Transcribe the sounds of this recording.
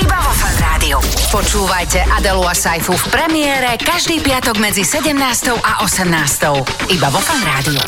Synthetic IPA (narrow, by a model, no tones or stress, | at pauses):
ibavɔfanɾaːd̪iupɔt͡ʃuːʋajcɛʔad̪ɛluasajfufpɾɛmɪɛːɾɛkaʒd̪iːpɪat̪ɔɡmɛd͡zisɛɟɛmnaːst̪ɔʊʔaʔɔsɛmnaːst̪ɔʊ | ibaʋɔfanɾaːd̪iu